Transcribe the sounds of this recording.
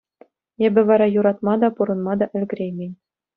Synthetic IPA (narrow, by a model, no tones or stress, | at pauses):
ebʲɘ̆ʋɑɾɑjuɾɑt̪̚mɑd̪ɑpuɾɤ̆nmɑd̪ɑʔɘ̆lʲɡʲɘ̆ɾʲejmʲenʲ